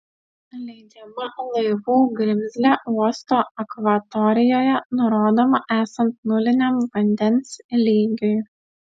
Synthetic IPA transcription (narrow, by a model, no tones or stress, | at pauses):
lʲɛɪd͡ʒʲɛmɐlˠɐɪʋuːɡɾʲɪmʲzʲlʲɛʔuɔst̪oːɐkʋɐt̪ɔɾʲɪjoːjɛnʊɾoːd̪oːmɐʔæːsɐnt̪̚nʊlʲɪnʲɛmʋɐnʲd̪ʲɛnslʲiːɡʲʊj